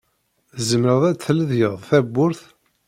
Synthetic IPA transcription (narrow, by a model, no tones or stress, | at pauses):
θzəmɾəðˤæt͡sθləðjəðˤθæbːʊɾθ